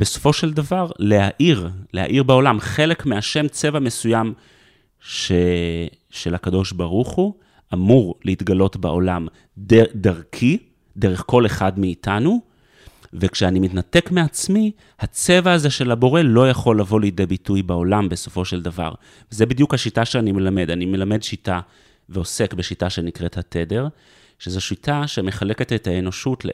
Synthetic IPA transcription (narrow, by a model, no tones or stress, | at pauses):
b̥e̞so̞̥fo̞ʃeldavaʁle̞haʔiʁlea̰ʔiʁbao̞lamχe̞le̞kmeaʃe̞mt͡se̞vame̞sujam | ʃe | ʃe̞lakado̞ʃbaʁuχu | ʔamuʁleitɡalo̞tba̰ʔo̞lam | dedaʁkʰi | deʁe̞χko̞le̞χadmeːtanu | vekʃeanimitnate̞kmeat͡smi | hat͡se̞vaːzeʃe̞lhabo̞ʁe̞lo̞jaχo̞lːavo̞lijdebitujbao̞lambe̞so̞̥fo̞ʃeldava̰ʁ | vezebid̪jukhaʃitaʃeanime̞lame̞danime̞lame̞dʃita | veosekbe̞ʃitaʃe̞nikʁe̞thatede̞ʁ | ʃezoʃitaʃeme̞χale̞ke̞tethaeno̞ʃutle